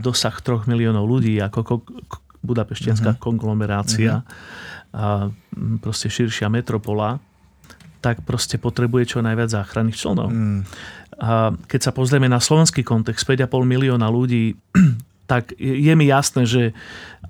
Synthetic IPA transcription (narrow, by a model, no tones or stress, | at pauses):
d̪ɔsaxt̪ɾɔɣmiliɔːnɔʊluɟiːakɔ | bud̪apɛʃcɪans̬kakɔŋɡlɔmɛɾaːt͡sia | pɾɔscɛʃiɾʃɪamɛt̪ɾɔpɔla | t̪akpɾɔscɛpɔt̪ɾɛbujɛt͡ʃɔnajʋɪad͡zzaːxɾanːiːxt͡ʃlɛ̰nɔ̰ʊ | kɛcsapɔzɾɪɛmɛnaslɔʋɛnskiːkɔnt̪ɛkst̪pɛɟapɔlmiliɔːnaluɟiː | t̪aɡjɛmijasnɛːʒɛ